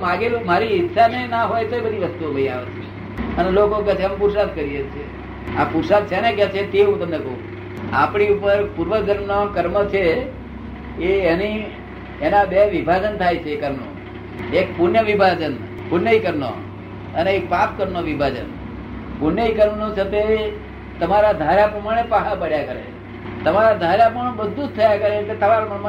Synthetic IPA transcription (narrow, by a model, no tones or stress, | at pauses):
mãɡelumaɾiɪtːʃanenaɦojt̪oebəd̪ʱiʋəst̪uobəĩaʋḛt͡ʃʰe | ənelokokət͡ʃʰempuɾsad̪kəɾiet͡ʃʰe | apuɾsad̪̚t͡ʃʰɛneket͡ʃʰet̪eɦũt̪əmnekəɦṵ̃ | a̰pɳiupəɾpuɾʋəd͡ʒəɾmnokəɾmət͡ʃʰe | eːniː | nãbeʋibʱad͡ʒənt̪ʰajt͡ʃʰeːkəɾmnõ̰ | ekpunjəʋibʱad͡ʒən | pʊɾnəikəɾno̰ | əneekpap̚kəɾnoʋibʱad͡ʒə̰n | puɾnəikəɾmnõt͡ʃʰət̪e | t̪əmaɾad̪ʱaɾapɾəmaɽ̃epaɦapaɽjakəɾḛ | t̪əmaɾad̪ʱaɾapəɳbəd̪ʱːud͡ʒt̪ʰəjakəɾeket̪ʰəmaɾməɳma